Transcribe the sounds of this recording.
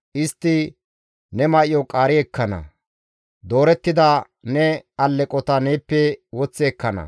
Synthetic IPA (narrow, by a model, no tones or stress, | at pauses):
ʔɪst̪ːɪ | nɛmɐʔɪjɔkʼaːɾɪɛkːɐnɐ̰ | d̪o̞ːɾɛt̪ːɪd̪ɐ | nɛɐlːɛkʼɔt̪ɐneːpːɛwɔt͡sːɛɛkːɐnɐ̰